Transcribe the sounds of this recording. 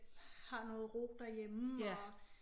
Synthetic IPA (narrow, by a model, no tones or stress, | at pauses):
hɑ̈nɔ̽ːð̩ˠʁo̰b̥d̥æjem